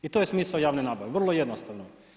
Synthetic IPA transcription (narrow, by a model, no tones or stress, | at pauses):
it̪ojesmiːsaojaːʋnenaːbaʋeʋr̩lˠojed̪nost̪aʋno